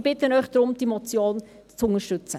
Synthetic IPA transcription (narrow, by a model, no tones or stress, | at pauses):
b̥ɪt̪ənœʏχd̥̪ɾʊmd̥imɔt͡sjoːn | t͡sʊŋəʃtʉt͡sə